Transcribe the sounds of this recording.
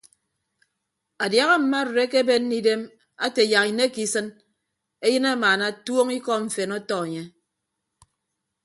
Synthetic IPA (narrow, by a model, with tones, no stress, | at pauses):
a˨dja˨ɣa˦m̩˨ma˦˨ɾɾe˦ke˦be˦nː˦i˦de˦m | a˦te˨ja˨ki˨ne˦ki˨sɨ˦n | e˦jɨ˦na˦maː˨na˦˨two˦ŋi˦kɔ˦ɱ̩˨fe˨nɔ˦tɔ˦e˨ɲe˦